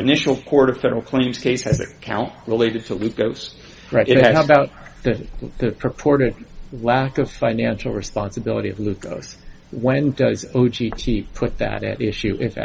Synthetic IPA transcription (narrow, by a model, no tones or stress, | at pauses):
ɨnɪʃl̩ˠkʰɔɹɾʌv̥fɛɾə˞l̩ˠkʰl̥ẽɪ̃mz̥kʰeɪshɨzɨ̰kʰãʊ̃nʔ̚ɹəleɪɾɨd̚tʰəlʉkoʊs | ɹaɪt̚ʌhaʊəbaʊt̪̚ðɨðɨpʰɹ̥ɨpʰɔɹɾɨdlækʌv̥fãɪ̃næ̃nʃl̩ˠɹɨspɑ̃nsɨbɪlˠəɾiʌ̰vlʉko̰ʊs | wɛ̃ndʌzoʊd͡ʒitʰipʰʊt̪̚ðɨ̰ɾɨ̰ɾɪʃʉʔɪf